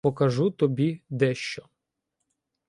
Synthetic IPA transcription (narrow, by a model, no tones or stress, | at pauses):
ɔkɐʒut̪ɔbʲid̪ɛʃt͡ʃɔ